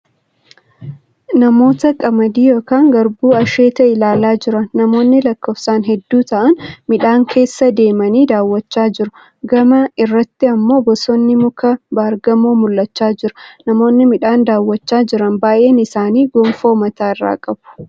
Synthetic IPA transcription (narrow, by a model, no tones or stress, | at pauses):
nɐmo̞ːt̪ɐkʼɐmɐd̪iːjo̞ːkaːŋɡɐɾbuːɐʃeːt̪ɐʔɪlaːlaːd͡ʒɪɾɐnːɐmo̞ːnːɪlɐkːoːfsaːnɦɛd̪ːuːt̪ɐʔɐnmɪᶑaːŋkʰe̞ːsːɐd̪e̞ːmɐniːd̪aːwːɐt͡ʃːaːd͡ʒɪɾʊ | ɡɐmɐɪrːɐt̪ːɪɐmːo̞ːbɔsɔnːɪmʊkɐbɐːɾɡɐmoːmʊlːɐt͡ʃːaːd͡ʒɪɾʊnɐmo̞ːnːɪmɪᶑaːnd̪aːwːɐt͡ʃːaːd͡ʒɪɾɐnbaːjʔe̞ːnɪsaːniːɡɔmfo̞ːmɐt̪aːɪrːa̰ːkʼɐb̥ʊ̥